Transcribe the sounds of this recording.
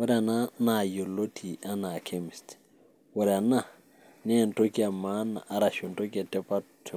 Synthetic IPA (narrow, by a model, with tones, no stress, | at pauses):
wɔ˦ɾɛ˦a˨na˦na˨jo˨lo˦tʰi˨ʔa˦na˨kʰe˦mɪ˨st | wɔ˨ɾa˨na˦˨ | nɛ˦˨nto˦ki˦a˨ma˦na̰˨ʔːɾa˨ʃo˨nto˦ki˦a˨tɛ˦pa˦ | t